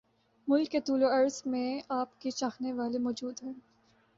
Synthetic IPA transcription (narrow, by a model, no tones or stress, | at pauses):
mʊlkːet̪uːloɐɾzmẽaːpket͡ʃaːxneʋaːlemɔːd͡ʒuːd̪ɦɛ̃